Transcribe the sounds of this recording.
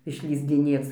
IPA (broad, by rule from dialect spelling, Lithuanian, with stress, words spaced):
ɪʃʲlʲiːzʲdʲɪˈnʲeːt͡s